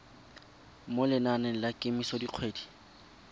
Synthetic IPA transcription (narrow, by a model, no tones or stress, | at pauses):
molɪnanɛlakʼɪmisɔdiq͡χʰweːdi̥